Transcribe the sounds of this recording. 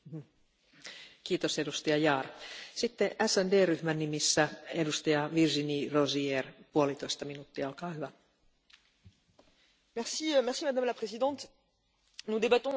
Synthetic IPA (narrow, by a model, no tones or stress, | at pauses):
kiːt̪osedust̪ɑjɑjɑːrsit̪ːeʔæsændeːryhmænːimisːæedust̪ɑjɑʋirʒinirozierpuolit̪oist̪ɑminut̪ːiɑolkɑːhyʋæ | mɛʁsimɛʁsimad̪amlapχezid̪ɑ̃t̪ | nud̪ebat̪ɔ̃